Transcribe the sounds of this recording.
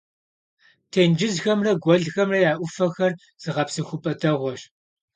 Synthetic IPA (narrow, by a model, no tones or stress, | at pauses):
tʰeːnd͡ʒɪzxɐmrɐɡʷɔɮxɐmrɐjaːʔʷʊfɐxɐr | z̥ɨʁɐpsɨxʷʊpʼɐdʰɐʁʷɔɕ